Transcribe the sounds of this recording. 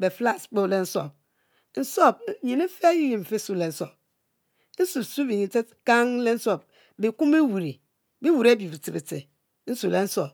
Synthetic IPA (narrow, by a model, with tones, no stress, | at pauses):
be˨fla˦sk͡po˦˨le˦n̩˦so̰˨p̚ | n̩˨so˦˨b̚ɲi˨ni˦fe˦ji˦ji˨m̩˨fe˦su˦le˨n̩˦so˨p̚ | n̩˦su˨su˦bi˨ɲi˨te˦ | ka˦ŋ˦le˦n̩˦so˨b̚ | bi˨ku˦mi˦wu˨ɾi˨ | bi˦wu˨ɾe˦bji˨bi˨ti˨bi˨te˨˦ | n̩˦su˨le˨n̩˦so˨p̚